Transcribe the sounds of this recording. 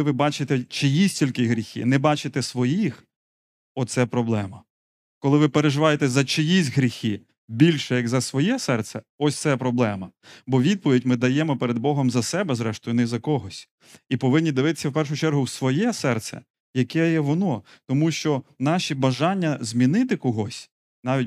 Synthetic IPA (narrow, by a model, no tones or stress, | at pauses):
ɪʋɪbɑt͡ʃɪt̪ɛt͡ʃɪjisʲtʲilʲkɪɦɾʲixɪ̰nɛbɑt͡ʃɪt̪ɛsʋɔjix | ɔt̪sɛpɾɔblˠɛmɐ | kɔlˠɪʋɪpeɾeʒɪʋɑjet̪ɛzɐt͡ʃɪjisʲtʲɦɾʲixɪ | bʲilʲʃɛjɐɡzɐsʋɔjɛsɛrt̪sɛɔsʲt̪sɛpɾɔblˠɛmɐbɔʋʲid̪̚pɔʋʲidʲmɪd̪ɐjɛmɔpeɾed̪bɔɦɔmzɐsɛbɛzɾɛʃt̪ʊjʊnɛzɐkɔɦɔsʲ | ipɔʋɪnʲːid̪ɪʋɪt̪ɪ̥sʲːɐwpɛrʃ̬ʊt͡ʃɛrɦʊwsʋɔjɛsɛrt̪sɛ̰ | jɐkɛjɛʋɔnɔt̪ɔmuʃt͡ʃɔnɑʃibɐʒɑnʲːɐzmʲinɪt̪ɪkɔɦɔsʲ | nɑʋʲit̚ʲ